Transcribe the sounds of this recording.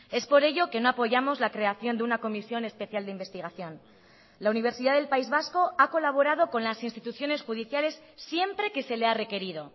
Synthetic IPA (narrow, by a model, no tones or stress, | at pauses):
e̞spo̞ɾe̞ʝo̞ke̞no̞apoʝamo̞zlakɾe̞aθjo̞nd̪eunako̞misjo̞ne̞spe̞θjald̪eimbe̞st̪iɣ̞aθjo̞n | launiβ̞e̞ɾsiðaðe̞lpaizβasko̞ako̞laβ̞o̞ɾað̞o̞ko̞nlasinst̪it̪uθjo̞ne̞sxuð̞iθjale̞sːje̞mpɾe̞ke̞se̞le̞are̞ke̞ɾið̞o̞